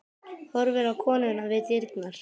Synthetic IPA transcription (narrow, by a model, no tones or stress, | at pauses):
hɔɾvɪɾawkʰɔːnʏnavɪt̪jɪɾknaɾ̥